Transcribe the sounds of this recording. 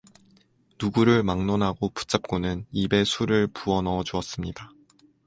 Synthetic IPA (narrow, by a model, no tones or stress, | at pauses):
nuɡuɾɯɭmaŋnonɦaɡopu̥t͡ɕ͈ap̚k͈onɯnibe̞sʰuɾɯɭpuʌnʌd͡ʑuʌs͈ɯmɲida